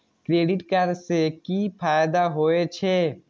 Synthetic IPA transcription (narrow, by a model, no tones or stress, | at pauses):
kɾeːɖɪʈkəɾsekipʰaːjd̪aɦoːet͡ʃʰeː